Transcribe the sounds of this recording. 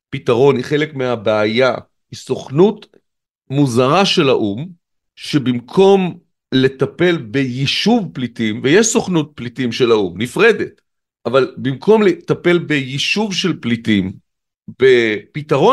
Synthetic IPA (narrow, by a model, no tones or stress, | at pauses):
pitaʁo̞niχe̞lekmeabeaja | hiso̞χnut | muzaʁaʃe̞laʔum | ʃebimkʰo̞m | le̞tape̞lbejiʃuvplitimvejeʃsoχnut̚plitimʃe̞laumnifʁe̞det | ʔavalbimkʰo̞mletape̞lbejiʃuvʃe̞lplitim | b̥epitaʁo